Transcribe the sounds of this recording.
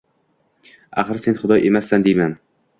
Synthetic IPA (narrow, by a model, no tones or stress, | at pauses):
a̰χɨɾse̞nχʊd̪ɒjʔe̞masːand̪ejman